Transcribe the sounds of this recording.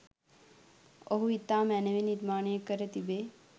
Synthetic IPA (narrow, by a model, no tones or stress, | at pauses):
oɦuit̪ːaːmɛːneʋeniɾmaːɳejekəɾət̪ibe